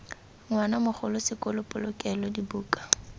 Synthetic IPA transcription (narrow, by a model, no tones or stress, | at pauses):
ŋwanamʊχʊlʊsɪkʼʊlʊpʼʊlʊkʼɛlɔdibuːkʼḁ